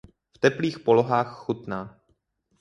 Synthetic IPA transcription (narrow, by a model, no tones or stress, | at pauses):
ft̪ɛpliːxpoloɦaːxːut̪naː